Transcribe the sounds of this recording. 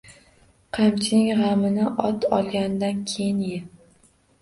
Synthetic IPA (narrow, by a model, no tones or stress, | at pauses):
qʰɑmt͡ʃʰɪnɪŋʁɑmɪnɪʔɒt̪ʰɒlˠɡʲand̪ankʲʰejɪnjɪ